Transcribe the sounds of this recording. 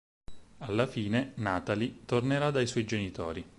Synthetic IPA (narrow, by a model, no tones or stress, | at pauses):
alːafiːnenaːt̪alit̪orneɾad̪ajswɔjd͡ʒenit̪o̰ːɾi